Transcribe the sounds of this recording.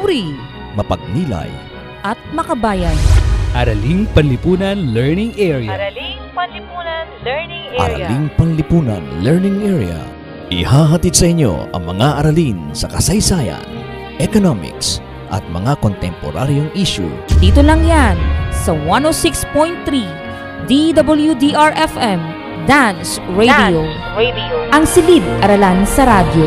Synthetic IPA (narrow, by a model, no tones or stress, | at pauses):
ɾi | mɐpɐɡ̚niːlɐ̰j | ʔɐt̪̚mɐkɐbaːjɐnʔɐɾɐliŋpɐnlɪpuːnɐnlɛɹnɪŋɛɹia | ʔɐ̰ɾɐ̰liŋpɐnlɪpuːnɐ̰nlɛɹnɪŋʔɛɹḭɐ̰ | ʔɪ̰haːɦɐt̪id̪̚sɐʔɪɲːo̞̰ʔɐ̰ŋmɐŋaʔɐɾɐlinsɐkɐsɐjsaːjɐ̰n | ʔɛkonomɪ̰ks | ʔɐ̰t̪̚mɐŋako̞nt̪ɛmpoɾa̰ɾjoŋʔiʃṵd̪iːt̪olɐŋjansɐwanosikspojnt̪ːɾi | d̪id̪ɐbɐljud̪iʔaɹʔɛfɛm | d̪ans | ɹedio | ʔɐŋsɪlid̪̚ʔɐɾɐlansɐɾad̪jo